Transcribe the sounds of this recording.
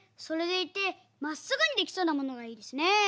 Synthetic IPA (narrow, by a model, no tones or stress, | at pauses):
so̞ɾe̞d̪e̞it̪ːe̞ | masɨɡɯ̟ɲ̟id̪e̞kʲi̥so̞ːnamo̞no̞ɡaiːd̪e̞sɨne̞